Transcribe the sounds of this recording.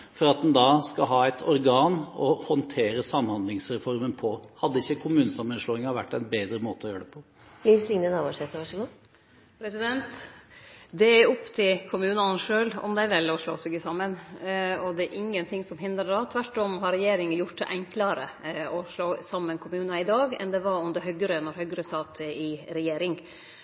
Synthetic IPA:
fɔɾɑt̪̚d̪ɛnd̪ɑskɑɦɑːæɪt̪ʰɔɾɡɑːnɔhɔnt̪ʰeːɾəsɑmhɑnd̪lɪŋsɾɛfɔɾmənpʰɔhɑd̪ːəɪçːəkʰʊmʉːnəsɑmːənʂloːɪŋɑʋæʈːæɪnbeːd̪ɾəmoːt̪əɔjøːəɖɛpʰɔ | liːʋslɪŋnənɑːʋoːʂeːt̪əʋɑʂəɡʊ | pʰɾɛsɪd̪ɛnt̪ | d̪ɛæɔpːt̪ʰɪlkʰʊmʉːnɑnʂøːlɔ̰md̪ɛʋɛlːɔʂloːsɪɡəsɑmːənɔd̪ɛæɾʔɪŋːənt̪ʰɪŋsɔmɦɪnd̪ɾəd̪ɑt̪ʰʋæʈːɔmɦɑɾɛjeːɾɪŋəjʊʈd̪ɛ̰ʔɛŋkləɾəɔʂloːsɑmːənkʰʊmʉːnɑɪd̪ɑːɡɛ̰nd̪ɛʋɑɾɔnd̪əɾɦœɡəɾənɔɾhœɡəɾəsɑːt̪ʰəɪɾɛjeːɾɪŋ

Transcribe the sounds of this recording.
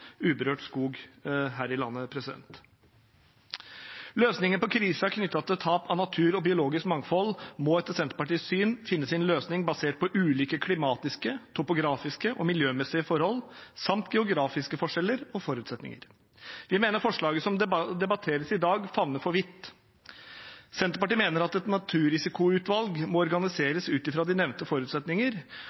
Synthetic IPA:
ʉːbəɾøːʈskuːɡɦæːɾɪlɑ̰nːəpʰɾɛsɪd̪ɛ̰nt̪ | løːsnɪŋənəpɔkʰɾiːsəɑɾkʰnʏt̪ːɑt̪ət̪ʰɑːpɑnɑt̪ʰʉːɾɔbɪʊloːɡɪskmɑŋfɔlmɔɛt̪ːəɾsɛnt̪əpɑʈiːssyːnfɪnːəsɪnløːsnɪŋbɑseːʈ̚pʰɔʔʉːliːkəkʰlɪmɑːt̪ɪskət̪ʰʊpʊɡɾɑːfɪskəʔɔmɪljøːmɛsɪəfɔɾhɔlsɑmt̪ɡɛʊɡɾɑːfɪskəfɔʂɛlːəɾɔfɔɾʉːt̪sɛt̪nɪ̰ŋə̰ɾ | ʋɪmeːnəɾfɔʂɭɑːɡəsɔmd̪ɛbɑt̪ʰeːɾəsɪd̪ɑːɡfɑʋnəfɔɾʋɪt̪ː | sɛnt̪əpɑʈiːmeːnəɾɑt̪ɛt̪nɑt̪ʰʉːɾɪsɪkʊʉːt̪ʋɑlɡmɔɔɾɡɑnɪseːɾəsʉːt̪ɪfɾɑːd̪ɪnɛʋnt̪əfɔɾʉːt̪sɛt̪nɪŋəɾ

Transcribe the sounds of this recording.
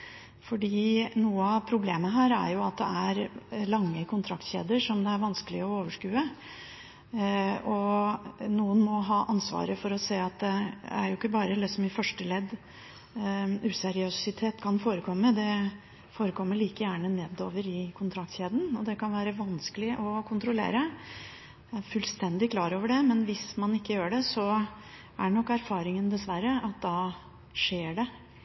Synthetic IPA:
fɔɖiːnuːəɑʋpʰɾʊbleːməɦæːɾæ̰ɾjʊɑt̪̚d̪ɛ̰æɾlɑŋːəkʰʊnt̪ʰɾɑkt̪çḛːd̪əʂɔmd̪ɛæɾʋɑnskəlɪɔoːʋəʂkʉːə | ɔ | nuːənmɔɦɑːʔɑnsʋɑ̰ːɾəfɔɾɔseːɑt̪̚d̪ɛæ̰ɾjʊɪkːəbɑːɾəd̪ɛsɔmɪfœʂʈəlɛd̪ː | ʉsɛɾɪøsɪt̪ʰeːt̪kʰɑnfoːɾəkʰɔmːəd̪ɛ | foːɾəkʰɔmːəɭiːkəjæːɳəneːd̪o̰ːʋəɾɪkʰʊnt̪ʰɾɑk̚t̪çeːd̪n̩ɔd̪ɛkʰɑnʋæːɾəʋɑnskəlɪʔɔkʰʊnt̪ɾʊlḛːɾə | æɾfʉlst̪ɛnd̪ɪkʰlɑːɾoːʋəɖɛmɛnʋɪsmɑnɪkːəjøːɖɛsɔ | ʔæɳɔkːæɾfɑːɾɪŋənd̪ɛsʋæɾəʔɑt̪̚d̪ɑː | ʂeːɖɛ

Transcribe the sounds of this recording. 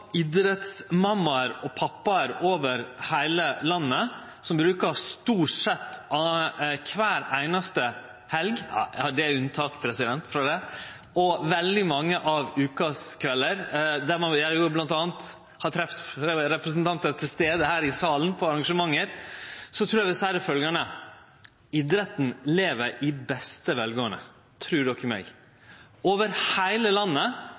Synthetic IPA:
ɪd̪ɾət̪smɑmːɑɾɔpʰɑpːɑɾoːʋəɾhæɪləlɑnːə | sɔmbɾʉːkɑst̪uːʂɛt̪ːʔɑkʰʋæːɾæɪnɑst̪ə | hɛlɡ̰hɑɖɛæʉnt̪ʰɑːkpʰɾɛsɪd̪ɛnt̪fɾɑd̪ɛ | ʔɔʋɛld̪ɪmɑŋːəʔɑʋʉːkɑskʰʋɛlːəɾd̪æɾmɑjæjʊblɑnt̪ɑːnt̪ | hɑɾt̪ʰɾɛft̪ɾɛpɾɛsnt̪ʰɑnt̪əɾt̪ʰɪlst̪eːd̪əhæːɾɪsɑːlənpʰɔɑɾɑŋʂəmɑŋːəɾsɔt̪ʰɾuːjæʋɛsæɾəfœlɡɑnə | ɪd̪ɾət̪n̩leːʋəɾɪbɛst̪əʋɛlɡoːənə̰ | t̪ʰɾʉːɖɔkːəmɛ̰ɡ | oːʋəɾhæɪləlɑnːə

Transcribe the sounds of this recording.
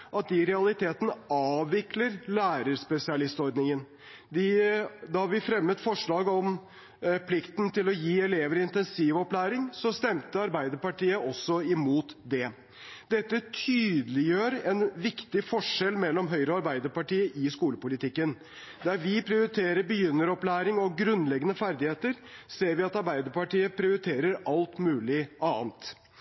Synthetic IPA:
ʔɑt̪̚d̪ɪɾɛɑlɪt̪ʰeːt̪ənəɑːʋʋɪkləɾlæːɾəɾspɛsɪɑlɪst̪ɔɾd̪nɪŋən | d̪ɪd̪ɑʋɪfɾɛmːət̪fɔʂɭɑːɡɔm | pʰlɪkt̪nt̪ɪlɔjiːɛleːʋəɾɪnt̪ɛnsiːʋɔplæːɾɪŋsɔst̪ɛmt̪əɑɾbæɪd̪əɾpɑʈiːəʔɔsːɔɪmuːt̪d̪ɛ | d̪ɛt̪ːət̪ʰyːd̪əlɪjøːɾɛnʋɪkt̪ɪfɔʂɛlmɛlːɔmɦœʏɾəɔɑɾbæɪd̪əɾpɑʈiːəʔɪskuːləpʊlɪt̪ɪkːən | d̪æɾʋɪpʰɾɪʊɾɪt̪ʰeːɾəɾbəjʏnːəɾɔplæːɾɪŋɔɡɾʉnlɛɡːənəfæɾd̪ɪheːt̪əɾ | seːɾʋɪɑt̪ɑɾbæɪd̪əɾpɑʈiːəpʰɾɪʊɾɪt̪ʰeːɾəɾɑlt̪mʉːlɪɑːnt̪

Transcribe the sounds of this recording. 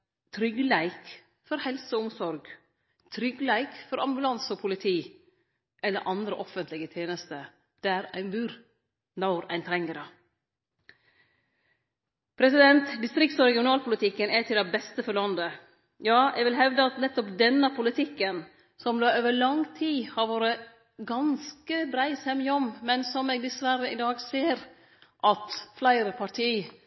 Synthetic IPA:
t̪ʰɾʏɡlæɪk | fɔɾhɛlsəʊmsɔɾɡ | t̪ʰɾʏɡlæɪkfɔɾɑ̰mbʉlɑnsɔpʰʊlɪt̪ʰiː | ʔɛlːəɾʔɑnd̪ɾəʔɔfənt̪ʰlɪɡət̪ʰjeːnəst̪ə | d̪̥æɾæɪnbʉːɾ | nɑʊɾæ̰ɪnt̪ʰɾɛŋːəɾɑ | pʰɾɛsɪd̪ɛnt̪d̪ɪst̪ɾɪk̚t̪sɔɾɛɡɪʊnɑːlpʰʊlɪt̪ʰɪkːənæt̪ʰɪld̪ɛbɛst̪əfɔɾɭɑnd̪ə | jɑːɛ̰ɡʋɪlɦɛʋd̪əɑt̪nɛt̪ːɔpd̪ɛnːəpʰʊlɪt̪ʰɪkːən | sɔmd̪oːøːʋəɭɑŋt̪ʰiːhɑɾʋoːɾə | ɡɑnskəb̪ɾæɪshɛmːɪɔmmɛnsɔmɛːɡ̚d̪ɛsʋæɾəɪd̪ɑːɡseːɾ | ʔɑt̪flæɪɾəpʰɑʈʰiː

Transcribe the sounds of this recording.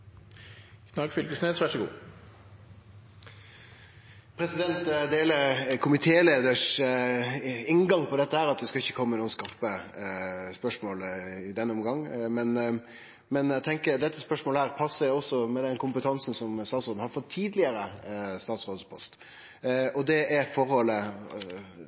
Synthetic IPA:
kʰnɑɡfʏlkəsneːsʋæʂəɡṵː | pʰɾɛsɪd̪ɛnt̪d̪eːləkʰʊmɪt̪ʰeːleːd̪əʂ | ɪŋɡɑŋpʰɔd̪ɛt̪ːəhæːɾɑt̪ʋɪskɑɪçːəkʰɔmːənuːənskɑʁpə | spœʂmoːlɪd̪ɛnːəɔmɡɑŋːmɛn | mɛnæt̪ʰɛŋkəɾd̪ɛt̪ːəspœʂmoːləhæːɾpʰɑsːəɾɔsːɔmɛd̪ɛnkʰʊmpət̪ʰɑnsn̩sɔmst̪ɑːt̪sod̪n̩hɑɾfɔt̪ʰːiːd̪lɪəɾəst̪ɑːt̪sʁoːd̪spʰɔst̪ | ɔd̪ɛɛɾfɔɾhɔlːə

